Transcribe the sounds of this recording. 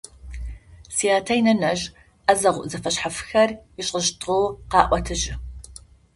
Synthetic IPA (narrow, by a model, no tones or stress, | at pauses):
sijaːtʰɐjinɐnɐʒ | ʔɐzɐʁʷʊʔzɐfɐɕħafɨ̥xɐrɪɕʼəʃtʰʼʁowqɑːʔʷɔtʰɨʑɪ